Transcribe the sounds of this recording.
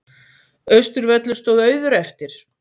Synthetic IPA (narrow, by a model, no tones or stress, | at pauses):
œɥst̪ʏɾvɛt̪lʏ̥st̪oːwðœɥðʏɾɛft̪ɪɾ̥